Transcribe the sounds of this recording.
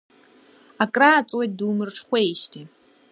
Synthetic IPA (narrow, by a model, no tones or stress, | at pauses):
akʼrat͡sʼweduːmɨrʈ͡ʂʰχʷeːjʃtʰi